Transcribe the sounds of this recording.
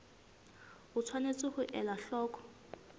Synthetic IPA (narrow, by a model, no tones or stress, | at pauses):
ʊt͡sʰwanet͡sʼɪhʊʔɛlaɬɔːkɔ̥